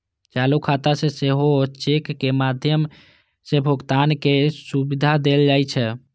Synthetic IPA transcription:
t͡ʃalukʰat̪aseseɦoot͡ʃekːemad̪ʱjəm | sebʱuɡt̪ankesubid̪ʱad̪eld͡ʒajt͡ʃʰɛ

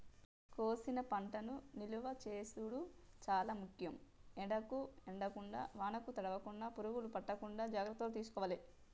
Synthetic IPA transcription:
koːsinɐpɐɳʈɐnuniluʋɐt͡ʃeːsuɽut͡ʃaːlaːmukʰjɐmɛɽɐkuɛɳɖɐkuɳɖa̰ːʋaːnɐkut̪ɐɽɐʋɐkuɳːaːpuɾuɡulupɐʈːɐkuɳɖaːd͡ʒaːɡɾɐt̪ːɐlot̪̬iːs̬u̥kɔːʋaːli

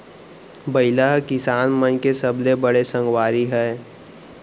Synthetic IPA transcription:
bɐɪlaɦkɪsaːnmə̃nkesɐblebəɽesə̃ŋɡwaːɾiɦɛː

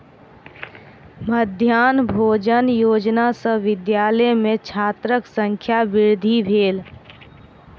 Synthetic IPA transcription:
məd̪ʱjaːnbʱoːd͡ʒənjoːd͡ʒnasəʋɪd̪jaːləjmẽt͡ʃʰaːt̪ɾəksə̃ŋkʰjaʋɪɾd̪ʱibʱeːl

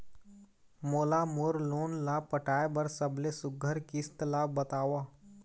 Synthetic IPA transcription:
moːlamoɾloːnlaːpəʈʰaːebəɾsəblesʊɡʱəɾkɪst̪laːbət̪aːʋaː

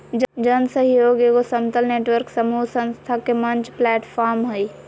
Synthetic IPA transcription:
d͡ʒd͡ʒənsəɦjoːɡeɡosəmt̪əlneːʈwəɾksəmuɦsə̃nst̪ʰakemənt͡ʃplɛːʈpʰaɾmɦoi

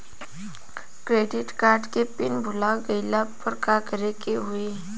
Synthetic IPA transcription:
kɾeɖiʈkaɾɖkepinbʱulaɡəɪlapəɾkakəɾekeɦue

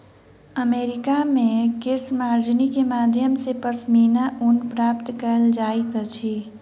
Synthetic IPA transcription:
əmeːɾɪkamẽkɪsmaːɾd͡ʒnikemaːd̪ʱjəmsepəsmiːnaʔʊnpɾaːpt̪kəld͡ʒaːik̪ət͡ʃʰi

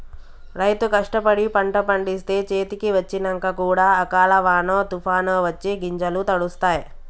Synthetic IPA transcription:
ɾɐjt̪ukɐʂʈɐpɐɽipɐɳʈɐpɐɳɖist̪e̞ːt͡ʃe̞ːt̪ikiʋɐt͡ʃːinɐŋkɐkuːɽaːɐkaːlɐʋaːnoːt̪upʰaːnoːʋɐt͡ʃːiɡiɲd͡ʒɐlut̪ɐɽust̪aːji

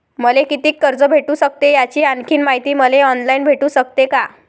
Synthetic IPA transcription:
məlekit̪iːkːəɾd͡zəbʱeʈusək̚t̪ejat͡ɕiːankʰiːnmaɦit̪iːməleɔnlajinbʱeʈuːsək̚t̪eka

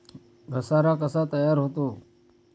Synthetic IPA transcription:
ɡʱəsaːɾakəsat̪əjaːɾɦot̪oː

